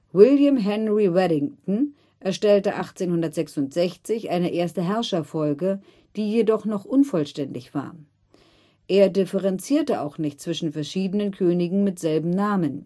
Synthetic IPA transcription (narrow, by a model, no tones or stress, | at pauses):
wɪljamɦɛnʁiwɛɾɪŋtn̩ | ʔɛɐʃtɛltəʔaχt͡seːnhʊndɐtz̥ɛksʊntz̥ɛçt͡sɪçʔaɪnəʔeːɐstəɦɛɐʃɐfɔlɡə | d̥iːjedɔχnɔχʔʊnfɔlʃtɛndɪçv̥a̰ːɐ | ʔeːɐdɪfəʁɛnt͡siːɐtəa̰ʊxnɪçt̚t͡sv̥ɪʃn̩fɛɐʃiːdənənkʰøːnɪɡŋ̩mɪtz̥ɛlbm̩naːmən